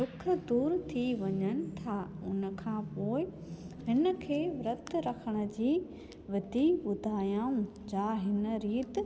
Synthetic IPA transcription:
d̪ʊkʰə̆d̪uːɾt̪ʰiʋɐɲənɪ̆t̪ʰaːʊnə̆kʰãːpoːɪ | ɦɪnə̆kʰeːɾɐt̪ɾɐkʰəɽ̃ə̆d͡ʑiː | ʋɐd̪ibʊd̪ʱaːjãːũ | d͡ʑaːɦɪnə̆ɾiːt̪

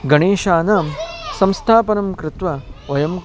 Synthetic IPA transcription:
ɡɐɳeːʃaːnaːmsɐ̃mst̪ʰaːpɐnɐmkɾɪt̪ʋaʋɐjɐm

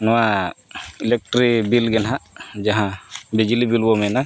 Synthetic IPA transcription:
nɔwa | ilɛk̚ʈɾibilɡɛnɦad͡ʒaɦãbɛd͡ʒilibilbɔmɛna

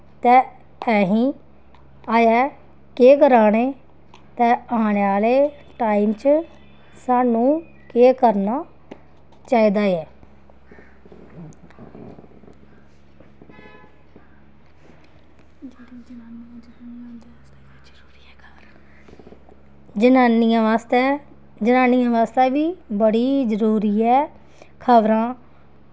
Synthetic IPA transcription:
t̪ɛ̃ː | ɛːɦĩː | aːjɛː | keːkəɾaːneː | t̪ɛ̃ːaːneːaːleː | ʈaːiːmt͡ʃ | saːnũː | keːkəɾnaː | t͡ʃaːiːd̪aːɛː | naːnjãaːst̪ɛ | d͡ʒənaːnijãːʋaːst̪ɛːbiːbəɽiːd͡ʒəɾuːɾiːɛː | kʰəʋɾãː

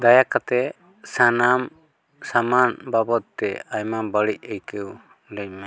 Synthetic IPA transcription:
d̪ajakat̪ɛ | sanam | samanbabɔt̪̚t̪ɛajmabəɽic̚ˀəjkɛw | lɛc̚mɛ

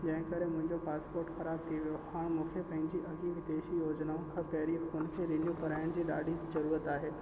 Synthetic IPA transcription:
d͡ʑɐ̃ɦɪ̃kɐɾemʊ̃ɦɪ̃ɲd͡ʑopaːspoːɾʈxɐɾaːb̚t̪ʰiʋijohãːɽ̃mũːkʰepɐ̃ɦɪ̃ɲd͡ʑiʔɐɡiʋɪd̪eːʃijoːd͡ʑnaõkʰãpɐɦɾiʊnkʰeɾeːnjukɐɾaːɪəɽ̃d͡ʑiːɗaːɖʱizɐɾuːɾət̪aːɦeː

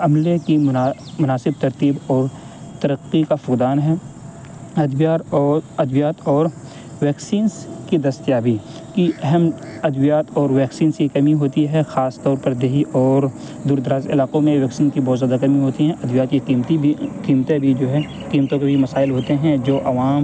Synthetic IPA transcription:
ɐmlekimʊnaːsɪb̚t̪ɐɾt̪iːbɔːɾ | t̪ɐɾəqːikafʊkd̪aːnɦɛː | ɐd̪ʋjaːɾɐd̪ʋjaːt̪ɔːɾ | ʋɛːksiːnskid̪ɐst̪jaːbikiʔɛɦɛmɐd̪ʋijaːt̪ɔːɾʋɛːksiːnskikɐmiɦoːt̪iɦɛxaːst̪ɔːɾpɐɾd̪eɦiʔɔːɾ | d̪uːɾd̪əɾaːzɪ̰laːqõmẽʋɛːksiːnkibɔːt̪zjaːd̪akɐmiɦoːt̪iɦɛ̃ʔɐd̪ʋjaːt̪kikiːmt̪ikiːmt̪ebʱid͡ʒoːɦɛ | kiːmt̪õkebʱimɐsaːɪlɦoːt̪eɦɛ̃d͡ʒoːʔɐʋaːm

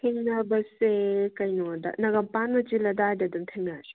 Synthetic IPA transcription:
heŋnɐbɐsekɐjnodɐ̰nɐɡɐmpanmɐt͡ʃilɐdadɐdumtʰeŋnaɾi

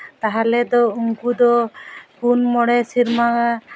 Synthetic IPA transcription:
t̪aɦalɛd̪ɔuŋkud̪ɔkunmɔɽɛsiɾmaa

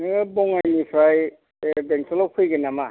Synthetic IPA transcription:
ɯbɔŋajnipʰɾaj | beŋsʰelɔwpʰɯjɡɯnama

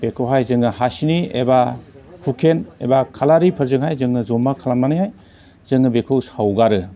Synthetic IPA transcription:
b̥ekʰɯwɦajzɯŋɯɦasiniebapʰukʰenebakʰalaɾipʰɯɾzɯŋɦajzɯŋːɯzɔmːakʰalammanɯhaj | zɯŋːɯbekʰɯwsawɡaɾɯ

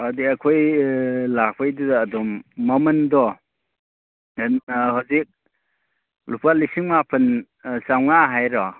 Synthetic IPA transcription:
adiɐkʰɔjlak̚pʰajdudaːdɔmːɐmɯndɔ | ɦazik̚ | lupʰalisiŋmapʰɯn | sawnaɦajɾɔ

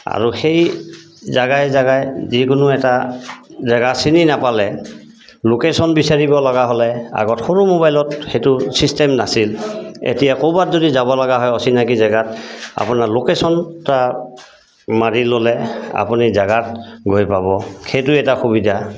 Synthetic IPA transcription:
a̰ɹuxej | zaɡajzaɡajzikʊnʊɛta | zaɡasininapalɛ | lokesɔnbisaɹibɔlɔɡaɦɔlɛa̰ɡɔtxoɹumobajlɔtxejtʊsistɛmnasilḛtijakobatzodizabɔlɔɡaɦɔjɔsinakizaɡata̰pʊnalokesɔnta | maɹilolɛa̰punizaɡat̚ɡʱojpabɔxejtʊɛtaxubidʱa

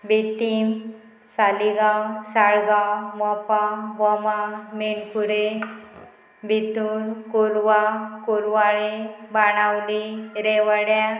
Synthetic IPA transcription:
bit̪im | saliɡasaɭɡamɔpabɔmamiɳpuɾe | bʱit̪unkolʋakolʋaɭebaɽ̃awliɾeʋəɽja

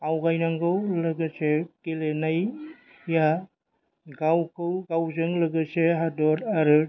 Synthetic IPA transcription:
awɡajnaŋɡɯwləɡɯsekelenaj | ja | ɡawkʰɯwɡawzɯŋlɯɡɯseɦadɔɾaɾɯ

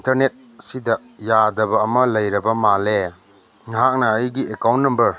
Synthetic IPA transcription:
intɐɾnet̚ | sidɐ | jadɐbɐːmɐlɐjɾɐbɐmale | ŋɦak̚nɐːjɡiʔekawnnːɐmbɐɾ

